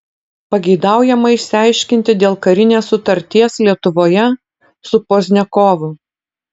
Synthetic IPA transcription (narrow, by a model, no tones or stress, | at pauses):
pɐɡʲɛɪd̪ɑˑʊjɛmɐɪʃʲsʲɪæˑɪʃʲkʲɪnʲt̪ʲɪd̪ʲeːlˠkɐɾʲɪnʲeːsːʊt̪ɐɾʲt̪ʲiɛslʲiɛt̪ʊʋoːjɛ | sʊpoːzʲnʲɛkoːʋʊ